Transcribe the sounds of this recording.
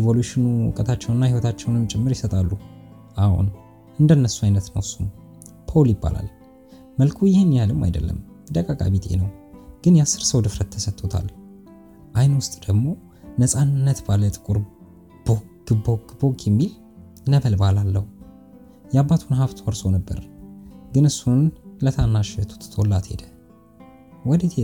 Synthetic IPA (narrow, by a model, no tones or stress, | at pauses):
vo̞luʃɪnṵkʼət̪ʰat͡ʃːɛwnɨnːahiwɔt̪ʰat͡ʃːɛwnɨnt͡ʃʼɪmːɨɾjɪsət̪ʼalːu | ʔahṵn | ʔɨnd̪ənːəsːuajnət̪nəwsum | pʰoljɪbːa̰la̰l | məlkʰujɪhenːijalɨmːa̰jd̪əlːə̰m | d̪əkʼakʼa̰βit̪ʰʼḛnəwɡ̥ɨnjasːɨɾsəwd̪ɨfɾət̪ʰːəsət̪ʰːo̞t̪ʰa̰l | ʔajnwʊst̪ʼd̪̥əɡmo̞ | nəsʼanːət̪balət̪ʼɨkʼuɾ | b̥oɡ̥ɨboɡbo̞kʰɛmːil | nəβəlbalalːəhu | jɛabːat̪ʰunɦaβt̪ʰwɔɾso̞nəbːə̰ɾɡɨnɨsːunlət̪ʰanːaʃɛt̪ʰu̥t̪t̪ʰolːat̪hḛd̪ə | wɔd̪ət̪ʰe